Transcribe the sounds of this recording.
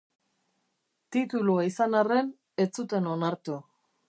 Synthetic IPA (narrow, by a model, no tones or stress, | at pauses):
t̪it̪uluaisanare̞n | e̞t͡sut̪e̞no̞naɾt̪u